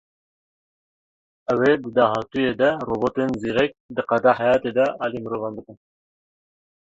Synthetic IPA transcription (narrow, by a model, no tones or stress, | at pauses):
ɛweːd̪ɨd̪ɑːɦɑt̪ujeːd̪ɛroːboːt̪enziːɾɛk̚d̪ɨqɑd̪ɑːɦɛjɑːt̪ed̪ɛʔɑːlimɨɾoːvɑnbɨkɨn